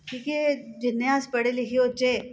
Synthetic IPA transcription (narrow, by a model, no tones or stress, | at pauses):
ʈʰiːkɛd͡ʒɪnːeaspɐɽelɪkʰijot͡ʃe